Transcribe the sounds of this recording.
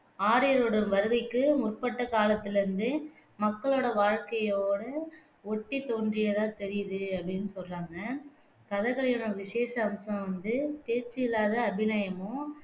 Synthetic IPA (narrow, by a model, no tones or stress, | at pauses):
aːɾɪjɐɾoːɽɐɾʋɐɾɯɣɐɪkːɯmʊrpɐʈːɐkaːlɐt̪ːɪlɪɾɯnd̪ɯmɐkːɐɭoːɽɐʋaːɻkɐjoːɽɐ | ɔʈːit̪oːndrɪjɐðãːt̪ɛɾɪjɐðɯɐpːɐɽɪnːɯsɔlraːŋɡɐ | kɐðɐɣɐɭɐjɐːnɐʋɪseːsɐːmsɐ̃mʋɐnd̪ɯpeːt͡ʃːɯɪlːaːðɐːbɪnaːjɐmoː